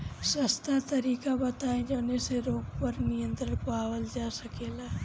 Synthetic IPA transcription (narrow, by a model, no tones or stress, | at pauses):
səst̪at̪ɐɾiːkabɐt̪aːẽd͡ʒoːneseɾoːɡpəɾnɪjə̃nt̪ɾəɾpaːwəld͡ʒaːsɐkeːlaː